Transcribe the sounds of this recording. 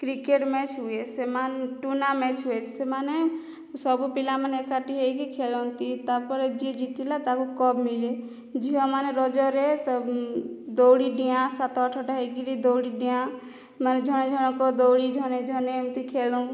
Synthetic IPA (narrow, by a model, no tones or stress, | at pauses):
kɾikeʈmɛt͡ʃʰɦuesemanʈunamɛt͡ʃʰɦuet̪semane | sɔbupilamanekaʈiɦejkikʰelɔnt̪it̪apɔɾd͡ʒid͡ʒit̪ilat̪akukɔbmile | d͡ʒiɔ̃maneɾɔd͡ʒɔɾɛt̪ɔ | d̪owɽiɖijãsat̪ɔʈʰɔʈaɦejkiɾid̪owɽiɖijã | maned͡ʒʱɔñẽd͡ʒʱɔñekɔd̪owɽid͡ʒʱɔned͡ʒʱɔnemt̪ikʰelũ